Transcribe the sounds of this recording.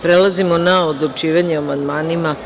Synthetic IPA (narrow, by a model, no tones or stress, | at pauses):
pɾelˠazimonaod̪lut͡ʃiːʋaɲeamand̪maːnima